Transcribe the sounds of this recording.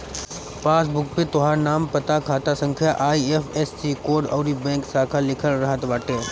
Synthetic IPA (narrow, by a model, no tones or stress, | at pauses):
paːs̬bʊk̚pet̪ʊɦaːɾnaːmpɐt̪akʰaːt̪asɐ̃ŋkʰjaʔaːiefɛssiːkoːɖɔ̰ːɾibɛ̃ːŋksaːkʰalɪkʰəlɾɐɦət̪ʋaːʈeː